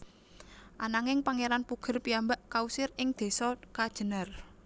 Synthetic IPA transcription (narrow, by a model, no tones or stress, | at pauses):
ʔanaŋɪŋpaŋeɾanpuɡ̥ə̤rpiambaʔkausɪrɪŋd̪̥e̤sɔkad̥ʒ̥ə̤nər